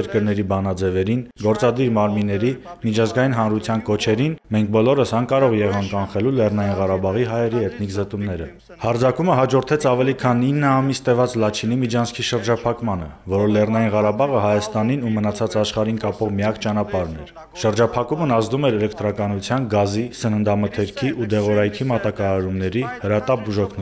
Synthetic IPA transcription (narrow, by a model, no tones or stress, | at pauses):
ɛɾkəɾnɛɾibɑnɑd͡zɛvɛɾinɡɔɾt͡sɑd̪iɾmɑɾminːɛɾimit͡ʃʰɑzɡɑjinɦɑnɾut͡sʰjɑnkɔt͡ʃʰɛɾinmɛŋk̚ʰbɔlɔɾəsɑŋkɑɾɔʁjɛʁɑŋkɑnχɛlulɛrnɑjinʁɑɾɑbɑʁiɦɑjɛɾiɛt̪nikzət̪umnɛɾə | hɑɾd͡zɑkuməɦɑd͡ʒɔɾt̪ʰɛt͡sʰɑvɛlikʰɑninːəɑmist̪ɛvɑt͡slɑt͡ʃʰinimit͡ʃʰɑnskʰiʃəɾd͡ʒɑpʰɑkmɑnəvɔɾɔlɛrnɑjinʁɑɾɑbɑʁəɦɑjɑst̪ɑninumənɑt͡sʰɑt͡sɑʃχɑɾinkɑpɔʁmijɑkt͡ʃɑnɑpɑɾnɛɾ | ʃəɾd͡ʒɑpʰɑkumənɑzd̪umɛɾɛlɛkt̪ɾɑkɑnut͡sʰjɑnɡɑzisənənd̪ɑmət̪ʰɛɾkʰiʔud̪ɛʁɔɾɑjkʰimɑt̪ɑkɑɑɾumnɛɾihəɾɑt̪ɑpbuʒɔkʰnu